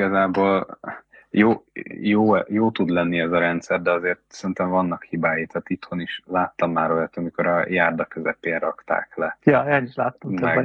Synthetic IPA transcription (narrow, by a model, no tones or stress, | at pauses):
ɡɒzaːboːl | joːjoːjoːt̪ud̪lɛnːiɛzɒɾɛnt̪sɛrd̪ɛɒzeːrt̪̚sɛrint̪ɛɱvɒnːɒkhibaːjit̪aːt̪it̪ho̞niʃlaːt̪ːɒmːaːɾojɒt̪ɒmiko̞ɾɒjaːrd̪ɒkøzɛpeːnrɒkt̪a̰ːklɛjɒeːniʃlaːt̪ːɔmmɛɡ